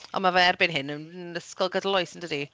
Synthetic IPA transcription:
ʔɔ̰mavaɛrbɪnɦɪnənəskɔlˠɡədlˠɔjsəndədi

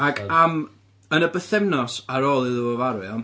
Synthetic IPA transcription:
akʰam | ənəbəθɛmnɔsaɾoːlˠɨðuəvaɾɨɔm

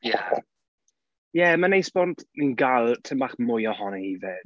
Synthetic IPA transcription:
ja | jɛmanejsbɔntʰinɡalˠtʰɪmbaχmʊjɔhɔnɛhiːvɪd̥

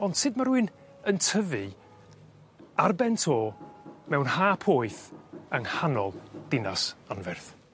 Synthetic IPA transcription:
ɔnd̥sɨd̚maɾuɨn | əntʰəvɨ | arbɛntʰoːmɛwnhaːpʰoːɨθəŋhanɔlˠd̥ɪnasanvɛrθ

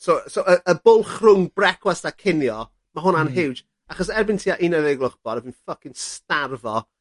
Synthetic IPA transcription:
sosoəəbʊlˠχrʊŋbrɛkʰwastakʰɪnjɔ | maɦʊnanɦɪwd͡ʒ | aχɔsɛrbɪntʰiːaʔinɛvɪɡlˠʊχb̥ɔɾəvɨnfəkɪnstarvɔ

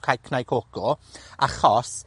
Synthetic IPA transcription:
kʰajkʰnajkʰoɡ̥ɔaχɔs

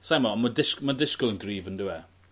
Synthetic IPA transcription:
sajmɔmədɪʃkmadɪʃkəlˠənɡriːvəndʊwɛ

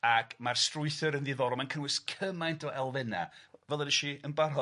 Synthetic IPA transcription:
akʰmarstrʊɨθɨɾənðiðɔɾɔmankʰənwɪskʰəmajntʰɔʔɛlˠvɛna̰vɛlˠənəʃiənbarɦɔ

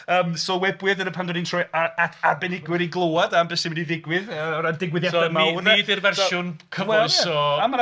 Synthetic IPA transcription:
əːmsɔwɛbwɨðəɾəpʰandɔdintʰrɔjaatʰabɛnɪɡwɪɾiɡlˠowadambɛsimɪdiðɪɡwɪðəɔɾadɪɡwɪðjasɔamawnaiɪrvɛrʊnkʰəwɛsɔam

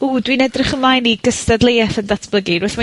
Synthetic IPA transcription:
uːdwinɛdrɪχəmlajniɡəstadlejɛθəndatʰb̥lˠəɡiɾʊθma

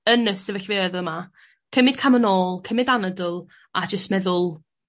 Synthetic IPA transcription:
ənəsɛvəɬveɛðəma | kʰəmɪd̥̚kʰamənoːlˠkʰəmɪdanədʊlˠ | ad͡ʒəstmɛðʊlˠ

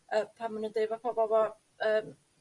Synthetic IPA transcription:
əːpʰamanundejvɔpʰɔvɔvɔ | əːm

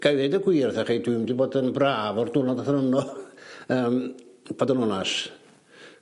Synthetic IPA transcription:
ɡ̥ajðɛdəɡwiːrθaχejdumdiboːdənbraːvɔrd̪unɔdaθɾənɔ | əːmb̥odənɔnas

